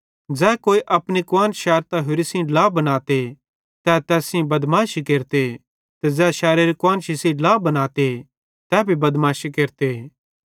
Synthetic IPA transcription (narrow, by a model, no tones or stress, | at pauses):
d͡zɛːkoːiʔɐpnikʊaːnʃɛːɾt̪aɦʊɾisĩlaːbɐnaːt̪e | t̪ɛːt̪ɛːsĩbɐd̪maːʃikeːɾt̪e | t̪ɛd͡zɛːʃɛːɾeɾikʊaːnʃisĩlaːbɐnaːt̪e | t̪ɛːbʱibɐd̪maːʃikeːɾt̪e